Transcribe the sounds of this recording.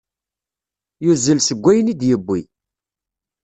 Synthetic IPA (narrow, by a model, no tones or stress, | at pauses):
juzːəlsəɡʷːæjənid̪jəbːi